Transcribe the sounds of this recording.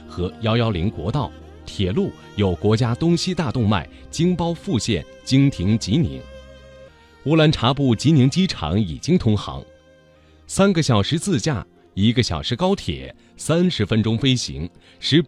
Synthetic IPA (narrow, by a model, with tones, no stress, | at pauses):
xɤ˧˥jɑ˥ʊjɑ˥ʊli˧˥ŋkwɔ̰˧˥t̪ɑ˥˩ʊ | t̪ʰjɛ˨˩lu˥˩ | jo˨˩ʊkwɔ˧˥t͡ɕja˥t̪ʊ˥ŋɕi˥t̪a˥˧t̪ʊ˥˧ŋma̰˥˩ɪt͡ɕi˥ŋpɑ˥ʊfu˥˧ɕjɛ˥˩nt͡ɕi˥ŋt̪ʰi˧˥ŋt͡ɕi˧˥nḭ˧˥ŋ | u˧˥la˧˥nʈ͡ʂʰa˧˥pu˥˩t͡ɕi˧˥ni˧˥ŋt͡ɕi˥ʈ͡ʂʰɑ̰˧˥ŋḭ˨˩t͡ɕi˥ŋt̪ʰʊ˥ŋxɑ̰˧˥ŋ | sa˥nɡə˨ɕjɑ˨˩ʊʂɻ̩˧˥t͡sɹ̩˥˧t͡ɕja̰˥˩ | i˧˥ɡə˧ɕjɑ˨˩ʂɻ̩˧˥kɑ˥ʊt̪ʰjɛ̰˨˩˦ | sa˥nʂɻ̩˧˥fə˥nʈ͡ʂʊ˥ŋfe˥ɪɕḭ˧˥ŋ | ʂɻ̩˧˥